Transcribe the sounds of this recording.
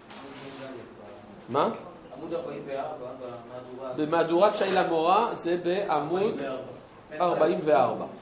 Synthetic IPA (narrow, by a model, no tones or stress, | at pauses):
ma | bemad̪uʁat̪ʃajlamoʁazebeʔamud̪ | aʁbaimveaʁba